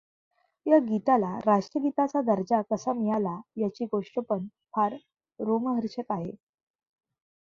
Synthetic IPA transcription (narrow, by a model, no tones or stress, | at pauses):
jaɡit̪alaɾaʂʈɾəɡit̪at͡sad̪əɾd͡ʑakəsamijalajat͡ɕiːɡoʂʈəpəɳ | pʰaɾ | ɾoməɦəɾɕək̪aɦḛ